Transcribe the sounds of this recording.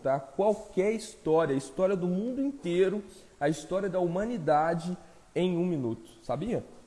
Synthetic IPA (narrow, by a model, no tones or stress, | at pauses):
t̪akwawkɛɾist̪ɔɾiɐist̪ɔɾiɐd̪ʊmũnd̪ʊĩnt̪eɾʊ | ɐist̪ɔɾiɐd̪ɐumɐ̃nid̪ad͡ʒɪ | ẽj̃ũminut̪ʊ̥sabiɐ